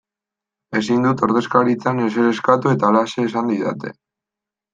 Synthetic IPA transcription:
e̞sind̪ut̪o̞ɾðe̞skaɾit͡sanes̬eɾe̞skat̪ue̞t̪alase̞ːsand̪iða̰t̪e̞̰

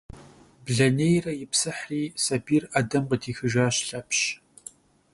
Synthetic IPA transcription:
bɮɐnejrɐjɪpsɐħriːsɐbiːraːdɐmqədiːxɨʒaːɕɬɐpɕ

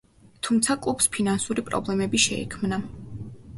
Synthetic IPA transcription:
t̪ʰumt̪sʰakʼupspʰinansuɾipʼɾɔ̰blɛmɛbiʃɛ̰ḭkʰmna

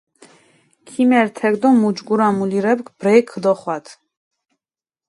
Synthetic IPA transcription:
kʰimɛɾt̪ʰɛɡd̪ɔmud͡ʒɡuɾamuliɾɛpkb̥ɾɛjkʰːəd̪ɔχwat̪ʰ

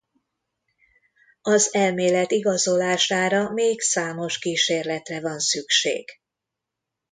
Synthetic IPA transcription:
ɒzɛlmeːlɛt̪iɡɒzo̞laːʃaːɾɒmeːɡsaːmo̞ʃkiːʃeːrlɛt̪rɛvɒnsykʃḛːɡ̥

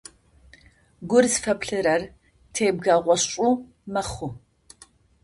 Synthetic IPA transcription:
ɡʷʊrsfɐpɬɨɾɐr | tʰeːb̚ɡaːʁʷɔɕɕʼʊ | mɐχʷʊ

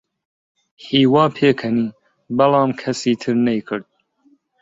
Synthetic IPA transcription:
hiːwɑːpʰeːkʰɐniː | bɐlɑːmkʰɐsiːt̪ʰɨɾnɛjkʰɨɾd̪̚

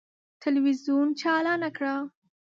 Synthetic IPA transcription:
t̪ɪlwizjunt͡ʃɑlɑnakɽa

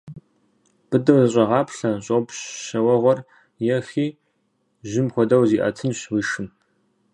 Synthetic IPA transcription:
b̥ɨdɐwzɨɕ̬ʼɐʁɑːpɬɐɕʼopɕɕɐwɐʁʷɔr | jɛxiː | ʒɪmxʷɔdɐwziːʔɐ̰tʰɨnɕwiːʃɨm

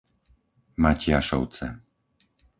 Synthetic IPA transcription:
macɪaʃɔ̰ʊt͡sɛ̰

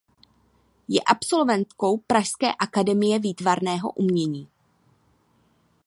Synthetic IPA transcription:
jɛʔapso̞lvɛnt̪ko̞wpɾaʃskɛ̰ːʔakadɛmɪjɛviːt̪vaɾnɛːɦo̞̰ʔumɲɛɲiː

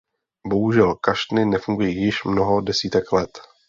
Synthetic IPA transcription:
bo̞ɦuʒɛlkaʃt̪nɪnɛfuŋɡujiːjɪʃmno̞ɦo̞dɛsiːt̪ɛklɛt̪

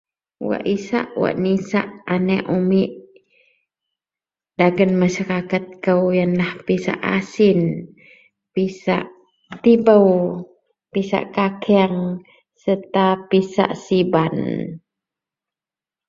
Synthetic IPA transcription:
wa̰ʔisa̰ʔwa̰ʔnisa̰ʔanɛʔumiʔ | daɡənmaʃaɾakat̪̚kəwjanlahpisa̰ʔa̰sin | pisa̰ʔ | t̪ibəw | pisa̰ʔkakʰɛaŋ | sət̪apisa̰ʔsiban

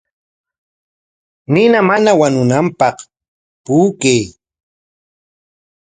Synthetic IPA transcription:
nɪnamanawanʊnampɑχ | puːkej

